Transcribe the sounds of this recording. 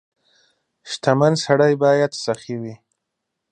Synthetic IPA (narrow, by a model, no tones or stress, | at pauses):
ʃt̪amansaɽajbɑjad̪saxiwi